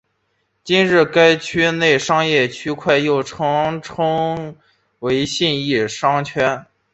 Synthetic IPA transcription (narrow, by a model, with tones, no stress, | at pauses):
t͡ɕi˥nɻɻ̩˥˩ka˥ɪt͡ɕʰy˥ne˥˩ɪʂɑ˥ŋjɛ˥˩t͡ɕʰy˥kʰwa˥˧ɪjo˥˩ʊʈ͡ʂʰɤ˥ŋʈ͡ʂʰɤ˥ŋ | we˧˥ɪɕi˥˧ni˥˩ʂɑ˥ŋt͡ɕʰɥɛ˥n